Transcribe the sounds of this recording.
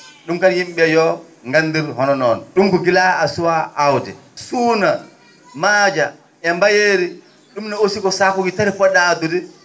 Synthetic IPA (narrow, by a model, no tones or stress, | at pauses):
ɗumkaɾjimɓɛjɔ | ŋɡanːdiɾhɔnɔnɔnɗumkɔɡilaasuwaʔːwd͡ʒɛ̰suːna | maːd͡ʒa | ɛmbajeːɾi | ɗumnɛosikɔsaːkuɡitaɾifɔɗaːdudɛ